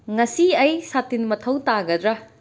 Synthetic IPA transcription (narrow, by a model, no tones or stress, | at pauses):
ŋɐsiɐjsatːinmɐtʰɐwtaɡɐd̪ɾɐ